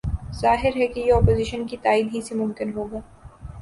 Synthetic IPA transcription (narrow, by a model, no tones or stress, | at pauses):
zaːɦɪɾɦɛkejeɔːpoːziːʃənkit̪aːiːd̪ɦisemʊmkɪnɦoːɡaː